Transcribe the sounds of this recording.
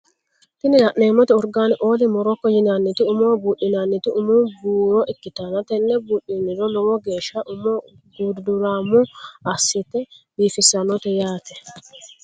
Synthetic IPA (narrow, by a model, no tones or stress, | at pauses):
t̪ɪnɪlɐʔneːmːɔt̪ɛɔɾɡaːnɪʔoːd̪ɪmɔɾɔkːɔjɪnanːɪt̪ɪʊmoːbuːʔːɪnanːɪt̪ɪʊmubuːɾɔʔɪkːɪt̪anɐt̪ɛnːɛbuːɗinːɪɾɔnɔwɔɡe̞ːʃːaʔʊmo | ɡuːd̪d̪ʊɾaːmːʊɐsːɪt̪ɛbiːfɪsːɐnɔt̪ɛjaːt̪ɛ